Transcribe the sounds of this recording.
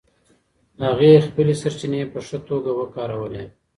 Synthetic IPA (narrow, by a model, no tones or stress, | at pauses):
haɣexpəlesaɾt͡ʃinepəʂət̪oɡawəkɑːɾawəle